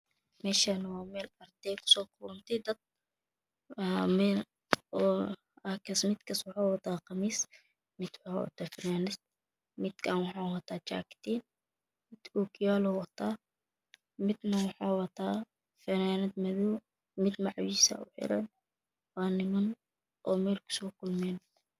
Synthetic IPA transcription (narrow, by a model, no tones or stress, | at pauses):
mɛːʃanɐwaːmɛːlɐrd̪ɛjkʰʊ̥sɔːkʰʊlʊnt̪ʰɛd̪ɐd̪̚ | mɛːl | ɔː | ɐhkʰɐsmɪd̪kʰɐswɑħaːwɐt̪ʰaːqɑmiːs | mɪd̪wɑħa̰wɐ̰t̪ʰaːfɪnaːnɪst̪̚ | mɪd̪kʰaːnwɑħaːwɐt̪ʰaːt͡ʃa̰ːkt̪ʰiːn | mɪd̪̥ɔːkʰɪjaːlɔwɐt̪ʰaː | mɪd̪nɐwɑħɑːwɐt̪ʰaː | fɛnaːnɐd̪mɐðɔː | mɪd̪mɑʕwiːsɐ̰ʔʊ̰ħɪ̰ɾɐ̰n | waːnɪmɐn | ʔɔːmɛːlkʰʊ̥sɔːkʰʊlmɛːn